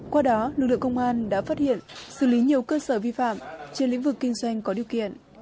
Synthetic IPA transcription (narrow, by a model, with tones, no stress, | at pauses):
kwaː˧ɗɔ˨˦lɨ˨˩k̚lɨ̰˧˨ə˨ŋkə˧wŋ͡mʔaː˧nɗa̰ː˧˥faː˦˥t̚hḭ˧˨ənsɨ̰˧˨li˨˦ɲi˨˩əwkəː˧səː˧˩vi˧fa̰ː˧˨mt͡ɕe˧nlḭ̈˧˥ŋ̟vɨ˨˩kːï˧ŋ̟zwa˧jŋ̟kɔ˨˦ɗi˨˩əwkḭ˧˨ənʔ